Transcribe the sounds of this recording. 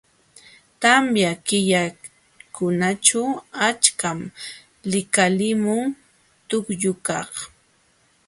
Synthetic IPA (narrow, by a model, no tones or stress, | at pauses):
t̪amjakɪʎa | kʊnat͡ʃawat͡ʃkam | lɪkalɪmʊŋ | t̪ʊkjʊkɑχ